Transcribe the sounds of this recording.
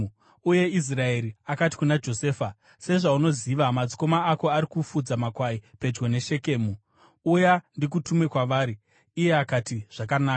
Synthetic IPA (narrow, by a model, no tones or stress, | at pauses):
uje̞is̬rae̞ɾiakati̥kunad͡ʒo̞se̞ːfa | se̞ʐauno̞ziʋamad͡zi̥ko̞maako̞aɾikufud͡zamakwaipe̞d͡ʒɡo̞ne̞ʃe̞ke̞ːmu | ujandik̬utumwe̞kwaʋaːɾiː | je̞akatiʐ̥akanaːka